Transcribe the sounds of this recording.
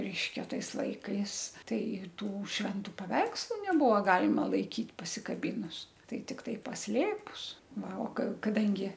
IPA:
ˈrʲɛɪʃʲkʲɛ ˈtɐɪs ˈlˠɐɪkɐɪs ˈtɐɪ ˈtuː ʃʲʋʲɛnˈtʊ pɐˈʋʲɛɪkslˠʊ nʲɛˈbʊʋoː ˈɡɑːlʲɪmɐ lˠɐɪˈkʲiːt pɐsʲɪkɐˈbʲiːnʊs ˈtɐɪ ˈtʲɪktɐɪ pɐsʲˈlʲeːpʊs ˈʋɐ oː kɐ kɐˈdɐŋʲɡʲɪ

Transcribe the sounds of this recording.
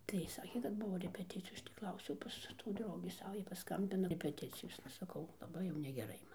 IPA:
tɐɪ ˈsɑːkʲeː kɐt ˈbʊʋoː rʲɛpʲɛˈtʲɪt͡sʲɪjoːs ˈɐʃ tʲiː ˈklˠɐʊsʲɛʊ ˈpɐs tuː ˈdrɐʊɡʲiː ˈsɑːʋɐ ˈjɛɪ pɐˈskɐmʲbʲɪnɐ rʲɛpʲɛˈtʲɪt͡sʲɪjoːsnɐ sɐˈkɐʊ lˠɐˈbɐɪ jɛʊ nʲɛɡʲɛˈrɐɪ ˈmɐn

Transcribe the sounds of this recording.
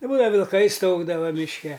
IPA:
ɪ ˈbuːdɐʋɐ ʋʲɪlˠˈkɐɪ ˈstɐʊɡdɐʋɐ mʲɪʃʲˈkʲɛ

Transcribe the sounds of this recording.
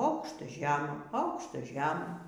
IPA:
ˈɐʊkʃtɐ ˈʒʲæːmɐ ˈɐʊkʃtɐ ˈʒʲæːmɐ

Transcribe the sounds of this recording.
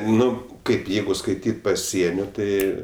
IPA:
ˈnʊ ˈkɐɪp ˈjɛɪɡʊ skɐɪˈtʲiːtʲ pɐˈsʲiɛnʲoː ˈtɐɪ

